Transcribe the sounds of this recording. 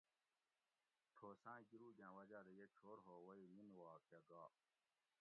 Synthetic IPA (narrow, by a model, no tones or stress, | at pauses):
t̪ʰoːsãːɡiɾuːd͡ʑãːwɐd͡ʑaːɾejet͡ɕʰoːɾɦoːwɐiminwaːkjaɡaː